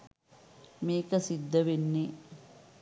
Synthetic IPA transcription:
meːkɐsid̪ːɐʋenːi

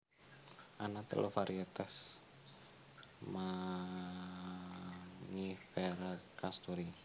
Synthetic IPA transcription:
ʔanat̪ə̰lʔofaɾiɛt̪as | ma | ŋifɛɾakast̪uɾi

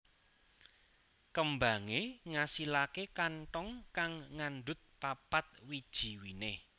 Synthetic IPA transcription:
kəmbaŋeŋasilakekanʈɔŋkaŋːanɖʊt̪̚papat̪̚wid̥ʒ̥i̤wine

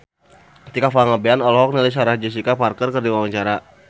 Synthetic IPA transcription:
t̪ikafaŋabeanɔlɔɦɔk̚nilis̬aɾad͡ʒas̬ikaparkərkərdiwawaɲt͡ʃaɾa

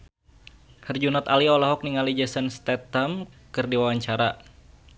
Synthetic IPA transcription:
hərd͡ʒunɔt̪aliɔlɔɦɔk̚niŋalid͡ʒasanst̪ɛt̪amkɨrdiwawaɲt͡ʃaɾa

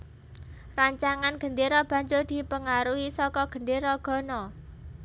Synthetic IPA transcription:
raɲt͡ʃaŋanɡ̥ə̤nd̪eɾɔb̥ä̤ɲd͡ʒʊrd̪̥i̤pəŋaɾuisɔkɔɡ̥ə̤ndeɾɔɡ̥ɔ̤nɔ

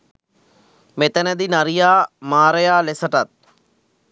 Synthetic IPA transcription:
met̪ənəd̪inɐɾijaːmaːɾəjaːlesəʈat̪̚

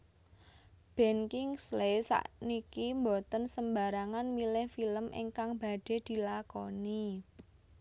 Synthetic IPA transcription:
b̥ɛ̤nkɪŋslejsa̰ʔnikimbot̪ənsəmbaɾaŋanmilɪhfiləmʔḛŋkaŋba̤ɖ̥e̤d̪̥i̤lakɔni

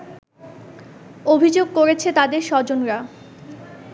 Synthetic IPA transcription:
obʱid͡ʑoɡkoɾet͡ɕʰet̪ad̪eɾʃɔd͡ʑonɾa

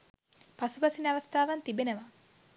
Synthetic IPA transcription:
pasupɐsinɐʋɐst̪ʰaːʋant̪ibenəʋa

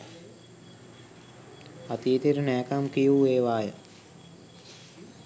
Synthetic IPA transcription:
at̪iːt̪iɾənɛːkamkijueːʋaːjə

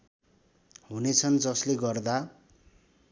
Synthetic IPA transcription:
hunet͡sʰʌnd͡zʌsleɡʌrd̪a

